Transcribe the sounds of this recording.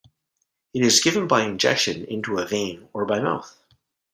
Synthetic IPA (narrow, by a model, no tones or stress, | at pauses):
ɨɾɨzɡɪvə̃nbaɪɨ̃nd͡ʒɛ̰kʃɨ̃nɪ̰̃ntuəvẽɪ̃nə˞baɪma̰lˠθ